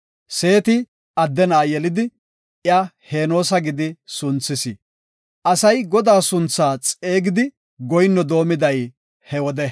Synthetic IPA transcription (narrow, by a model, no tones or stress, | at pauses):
se̞ːt̪ɪ | ɐd̪ːɛnaːjɛlɪd̪ɪ | ɪahe̞ːno̞ːs̬ɐɡɪd̪ɪsʊnt͡sːɪsɪ | ʔɐsɐjɡɔd̪aːsʊnt͡sːaːt͡sʼe̞ːɡɪd̪ɪ | ɡɔjnːɔd̪o̞ːmɪd̪ɐj | hɛwɔd̪ɛ